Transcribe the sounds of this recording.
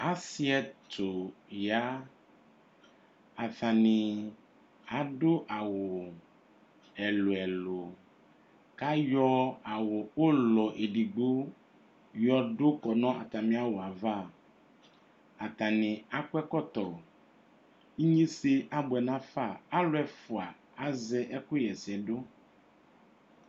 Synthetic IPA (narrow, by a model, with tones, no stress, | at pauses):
a˨si˦ɛ˦t̪o˨ja˦ | a˨θã˨nĩ˨ | a˨˦ɖo˦ʔa˨wo˨ | ɛ˨lo˨ɛ˨lo˨ | ka˦jɔ˦a˨wo˨o˦lɔ˨ʔe˨ɖi˨ɡ͡bo˦ | jɔ˦ɖo˦kɔ˨nɔ̃˦ʔa̰˨t̪a˨mĩ˦a˦wo˨a˨va˦˨ | a˨t̪a˨nɪ̃˨a˨kʊ˦ɛ˦kɔ˦t̪ɔ˨ | i˦ɲĩ˦se˦ʔa˦bʊ˨ɛ˨nã˦fa˦˨a˦lʊ˦ɛ˨fʊ˨a˨ | a˨zɛ˦ʔɛ˦kʊ˦jɛ˨sɛ˨ɖo˦